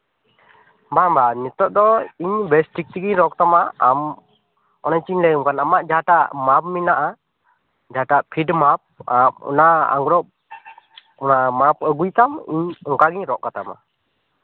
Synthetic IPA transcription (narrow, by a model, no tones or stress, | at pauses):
bambanit̪ɔʔ̚d̪ɔiɲbɛsʈik̚t̪iɡiɲɾɔk̚t̪amaam | ɔnaɲt͡ʃiɲlɛjuŋkanamaʔ̚d͡ʒaaʈaʔmap̚minaʔa | d͡ʒaaʈaʔpʰiɖmap̚aɔ̰naa̰ŋɡɾɔʔ | ɔnamap̚əɡujt̪amiɲɔŋkaɡiɲɾɔʔkat̪ama̰